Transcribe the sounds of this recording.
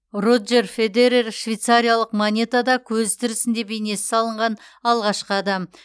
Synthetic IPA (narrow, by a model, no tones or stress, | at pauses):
rod̪ʒe̞rfe̞d̪eɾerʃvejt̪saɾʲijalˠəqmonʲe̞t̪ad̪ɑkʲʰɵzt̪ʰɪɾɪsɪnd̪e̞be̞jne̞sɪ̥sɑlˠəɴʁɑn | ɑlˠʁɑʃqəɑd̪ɑm